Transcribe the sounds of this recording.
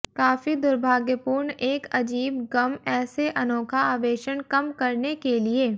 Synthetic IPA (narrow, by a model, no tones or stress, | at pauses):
kaːfid̪ʊɾbʱaːɡjəpuːɾɳeːkɐd͡ʒiːbɡɐmɛːseʔɐnɔːkʰaaːʋeːʃənkɐmkɐɾnekelieː